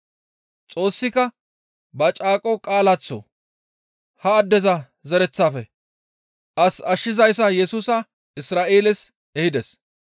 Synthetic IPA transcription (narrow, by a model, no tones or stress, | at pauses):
t͡sʼo̞ːsːɪkɐ | bɐt͡ʃʼaːkʼɔkʼaːlɐt͡sːɔ̰ | hɐːd̪ːɛzɐ | zɛɾɛt͡sːaːfɛ | ʔɐsɐʃːɪzɐjs̬ɐjɛsuːsɐ | ɪsɾaːʔeːlɛs | ɛhɪd̪ɛs